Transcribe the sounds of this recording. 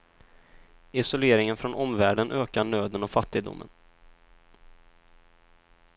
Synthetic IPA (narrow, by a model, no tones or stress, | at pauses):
ɪsɔleːɾɪŋənfɾɔnʔɔmvæːɖənʔøːkaɳøːd̪ənɔfat̪ːɪɡ̚d̪ʊ̰mːə̰n